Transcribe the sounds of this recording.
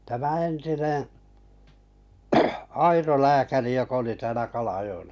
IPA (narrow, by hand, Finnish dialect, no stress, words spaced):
tæmæ entinẽː ɑiro læːkæri jok oli tæːlæ kɑlɑjoelːɑ